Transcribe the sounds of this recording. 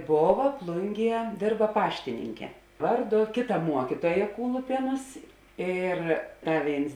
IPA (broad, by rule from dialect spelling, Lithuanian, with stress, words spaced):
ˈboːʋɐ ˈplˠʊŋʲˌɡʲiɛ ˈdʲeːrbɐ ˈpɑːʃʲtʲɪnʲɪŋʲkʲɛ ˈʋɐrˌdʊ ˈkʲeːˌtɐ ˈmuɔkʲiːtuɔjɛ ˈkuːlˠʊpʲiɛnʊs ˈiːr ˈtɐ ˈʋʲeːɪns